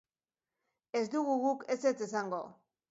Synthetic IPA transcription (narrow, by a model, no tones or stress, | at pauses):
e̞zd̪uɣuɣuke̞se̞t͡se̞saŋɡo̞